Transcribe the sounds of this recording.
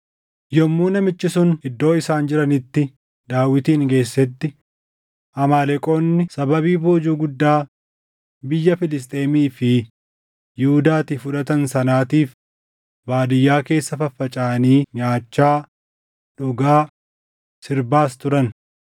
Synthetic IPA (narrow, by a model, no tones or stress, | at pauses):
jɔmːuːnɐmɪt͡ʃːɪsʊnɪd̪ːo̞ːɪsaːnd͡ʒɪɾɐnɪt̪ːɪ | d̪aːwːɪt̪iːŋɡe̞ːsːɛt̪ːɪ | ʔɐmaːlɛkʼo̞ːnːɪsɐbɐβiːboːd͡ʒuːɡʊd̪ːaː | bɪjːɐfɪlɪst̪ʼe̞ːmiːfɪ | jɪhʊd̪aːt̪ifʊᶑɐt̪ɐnsɐnaːt̪iːf | baːd̪ɪjːaːke̞ːsːɐfɐfːɐt͡ʃʼaːniːɲaːt͡ʃːaː | ᶑʊɡaː | sɪɾbaːst̪ʊɾɐn